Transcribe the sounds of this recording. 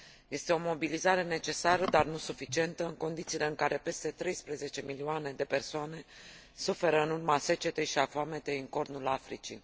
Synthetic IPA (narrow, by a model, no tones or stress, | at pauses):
je̞st̪e̞o̞mo̞bilizaɾe̞ne̞t͡ʃe̞saɾəd̪arnusufit͡ʃie̞nt̪əɨŋko̞nd̪it̪sile̞ɨŋkaɾe̞pe̞st̪e̞t̪ɾe̞jspɾeze̞t͡ʃe̞milioane̞d̪e̞pe̞rsoane̞ | sufe̞ɾəɨnurmase̞t͡ʃe̞t̪e̞ʃiafoame̞t̪e̞ɨŋko̞rnulafɾit͡ʃḭ